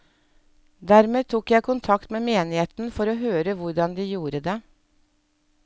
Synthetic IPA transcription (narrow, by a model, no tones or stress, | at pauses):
d̪æɾmeːt̪ʰuːkjæɪkʰʊnt̪ʰɑkt̪meːmeːnɪeːt̪n̩fɔɾoːɦøːɾəʋʊɾɖɑnd̪iːjuːɾəd̪eː